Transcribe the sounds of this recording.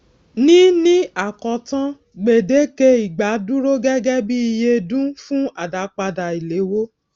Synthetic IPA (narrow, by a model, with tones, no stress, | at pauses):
nĩ˦nĩ˦a˨kɔ˨tã˦ | ɡ͡be˨de˨˦ke˧i˨ɡ͡ba˨˦dũ˦ɾo˦ɡɛ˦ɡɛ˦bi˦i˧je˧dũ˦fũ˦a˨da˨˦k͡pa˧da˨i˨le˨˦wo˦